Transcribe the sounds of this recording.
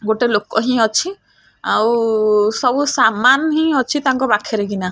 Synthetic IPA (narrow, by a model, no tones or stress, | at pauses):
ɡoʈelokɔɦĩɔt͡ʃʰi | awsɔbusamanɦĩɔt͡ʃʰit̪aŋkɔbakʰeɾeɡina